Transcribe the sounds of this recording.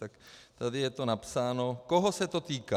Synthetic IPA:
t̪akt̪adɪjɛt̪o̞napsaːno̞koɦosɛt̪o̞t̪iːka

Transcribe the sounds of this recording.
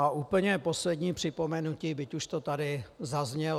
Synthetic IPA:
aʔuːpl̩ɲɛpo̞slɛdɲiːpr̝̥ɪpo̞mɛnuciːbɪcuʃt̪ot̪adɪzazɲɛ

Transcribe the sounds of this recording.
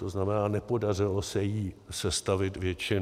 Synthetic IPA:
t̪oznamɛnaːnɛpo̞dar̝ɪlosɛjiːsɛst̪avɪt̪vjɛt͡ʃɪn

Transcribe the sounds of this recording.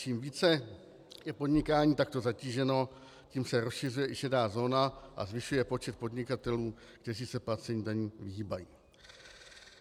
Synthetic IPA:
t͡ʃiːmviːt͡sɛ | jɛpo̞dɲɪkaːɲiːt̪ak̚t̪o̞zaciːʒɛno̞ | ciːmsɛɾosʃɪr̝ujɛʔɪʃɛdaːzo̞ːnaʔa̰zvɪʃujɛpo̞t͡ʃɛt̪̚po̞dɲɪkat̪ɛluː | kt̪ɛriːsɛplat͡sɛɲiːdaɲiːvɪɦiːbajiː

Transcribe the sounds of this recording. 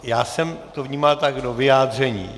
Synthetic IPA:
jaːsɛmt̪ovɲiːmalt̪aɡdovɪjaːd̪r̝ɛɲḭː

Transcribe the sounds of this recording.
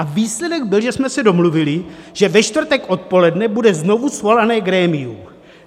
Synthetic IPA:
aviːslɛdɛɡbɪlʒɛsmɛsɛdo̞mluvɪlɪʒ̥ɛvɛʃt̪vr̩t̪ɛkʔo̞t̪̚po̞lɛdnɛbudɛzno̞vusvolanɛːɡɾɛːmɪju

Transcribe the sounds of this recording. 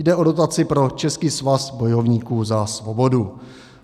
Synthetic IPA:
dɛʔo̞do̞t̪at͡sɪpɾo̞t͡ʃɛskiːsvasbo̞jo̞vɲiːkuːzasvobo̞du

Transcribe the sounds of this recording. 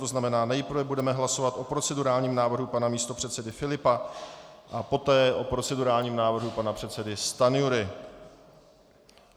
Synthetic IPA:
t̪oznamɛnaːnɛjpr̩vɛbudɛmɛɦlaso̞vat̪ʔo̞pɾo̞t͡sɛduɾaːlɲiːmnaːvr̩ɦupanamiːst̪o̞pr̝̥ɛt̪sɛdɪfɪlɪpa | ʔapo̞t̪ɛːʔo̞pɾo̞t͡sɛduɾaːlɲiːmnaːvr̩ɦupanapr̥ɛt̪t͡sɛdɪst̪anɪuɾɪ

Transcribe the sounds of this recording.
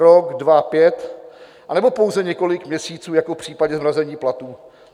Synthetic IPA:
ɾoɡdvapjɛt̪ | ʔanɛbo̞po̞wzɛɲɛko̞lɪkmɲɛsiːt͡suːjakofpr̥iːpaɟɲɛzmɾazɛɲiːplat̪uː

